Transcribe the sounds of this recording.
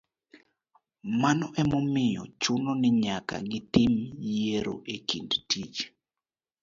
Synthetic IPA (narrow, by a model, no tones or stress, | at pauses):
manɔʔɛmɔmɪjɔ̰t͡ʃʊnonɪɲaka̰ɡɪt̪ɪmjeɾo̰ʔekindtit͡ʃ